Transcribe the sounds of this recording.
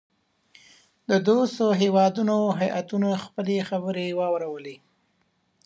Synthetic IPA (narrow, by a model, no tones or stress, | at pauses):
d̪əd̪ost̪oɦewɑd̪unoɦajʔat̪unaxpəlexabəɾewɑwɾawəle